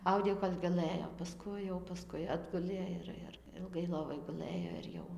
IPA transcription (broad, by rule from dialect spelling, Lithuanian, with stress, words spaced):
ˈɐʊdʲeː jɛʊ koːlʲ ɡɐˈlˠɘjoː pɐˈskʊɪ jɛʊ pɐˈskʊɪ ˈɑːdɡʊlʲeː ɪr ɪr ɪlˠˈɡɐɪ ˈlˠoːʋoːj ɡʊˈlˠɘjoː ɪr ˈjɛʊ